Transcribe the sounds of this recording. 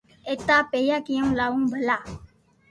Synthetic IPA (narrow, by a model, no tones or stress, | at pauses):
eːt̪aːpeːjaːkijə̃ũlaːʋũːbʱəlaː